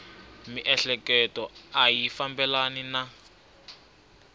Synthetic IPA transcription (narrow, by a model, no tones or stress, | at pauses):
miʔɛɬɛkɛtɔajifambɛlanina